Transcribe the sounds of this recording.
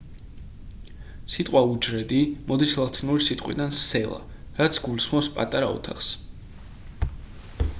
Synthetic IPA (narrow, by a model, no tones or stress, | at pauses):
sit̪ʼqʼwaud͡ʒɾɛd̪imɔd̪islˠat̪ʰinuɾisit̪ʼqʼwḭd̪ansɛlˠa̰ | ɾat̪sʰɡulisχmɔpspʼa̰t̪ʼaɾaɔ̰t̪ʰaχs